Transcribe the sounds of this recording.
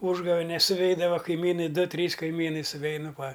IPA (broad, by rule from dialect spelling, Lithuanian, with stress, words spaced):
ˈuːʒɡɐʋʲɛnʲɛs sʊˈʋʲɛɪdɐʋɐ kɐɪˈmʲiːnɐɪ ˈdʊ ˈtʲrʲiːs kɐɪˈmʲiːnɐɪ sʊˈʋʲɛɪnʊ ˈʋɐ